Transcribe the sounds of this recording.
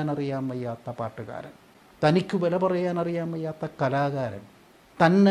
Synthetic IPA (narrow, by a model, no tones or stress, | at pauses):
nɐrijaːmʋɐjːaːt̪ːɐpaːʈːuɣa̰ːɾɐ̰m | t̪ɐnikʲːuʋelɐpɐrɐjaːnɐrijaːmʋɐjːaːt̪ːɐkɐlaːɣaːɾɐ̰m | t̪ɐnːe